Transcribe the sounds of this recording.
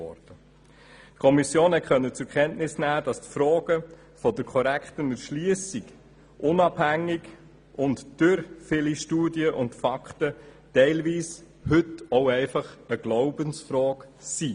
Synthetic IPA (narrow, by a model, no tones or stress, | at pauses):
ɔ̰ɾd̥ə | tkʰɔmisjoːnhɛtχœnːət͡sʊɾkʰɛntnɪsnæːd̥ɑstfɾɔːɡ̥ə | fɔdəɾkʰɔɾæktənəʃliəsiɡ | ʔʊnɑb̥hæŋːɪɡ | ʊntd̥øɾfɪliʃtuːdiəʔʊntfɑkʰtə | tɛɪlʋiːs | hʏtɔʊɛɪfɑχəɡ̥lɔʊbənsfɾɔːksi